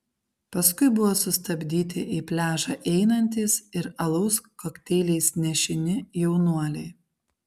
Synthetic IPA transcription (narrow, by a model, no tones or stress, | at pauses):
pɐskʊɪbʊʋoːsʊst̪ɐbʲd̪ʲiːt̪ʲɪʔiːpʲlʲæːʒɑːʔɛɪnɐnʲt̪ʲiːsɪɾɐlˠɐʊskoːkʲt̪ʲɛːlʲɛɪsnʲɛʃʲɪnʲɪjɛʊnuɔlʲɛɪ